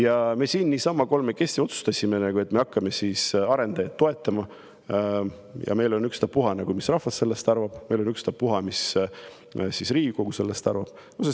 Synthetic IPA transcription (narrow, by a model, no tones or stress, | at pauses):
jɑme̞siːnːisɑmːɑko̞lmeke̞sʲt̪io̞t̪su̥st̪ɑsʲime̞nɑɡ̥ue̞t̪me̞ɑkːɑme̞sisɑɾe̞nd̪̥ɑjɑt̪t̪ːo̞e̞t̪ːˑɑmɑ | jɑ̰me̞jlo̞nykst̪ɑpuɦɑnɑɡ̥umisrɑhvɑsse̞lːest̪ɑɾvɑb̥me̞jlo̞nykst̪ɑpuɦɑmis | sisriːɡko̞ɡuse̞lːe̞st̪ɑ̰ɾrvɑb̥ | ose